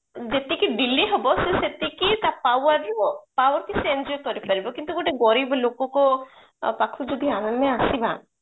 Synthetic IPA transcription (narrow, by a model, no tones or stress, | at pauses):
d͡ʒet̪ikiɖilːiɦɔbɔseset̪ikit̪apawəɾopawəɾkisend͡ʒokɔɾipaɾibɔkint̪ukoʈeɡɔɾiblokõko | pakʰud̪ud̪ʱianənmẽasibã̰